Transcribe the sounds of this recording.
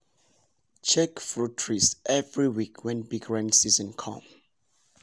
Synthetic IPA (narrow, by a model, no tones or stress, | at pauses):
t͡ʃʰɛkfɹutʰɹisʔɛvɹiwikʰwɛ̃nbiɡɹãnsizɔ̃nkʰɔ̰̃m